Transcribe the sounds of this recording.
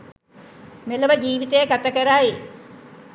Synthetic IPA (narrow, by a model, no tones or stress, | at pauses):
meləʋəd͡ʒiːʋit̪əjəɡat̪akəɾae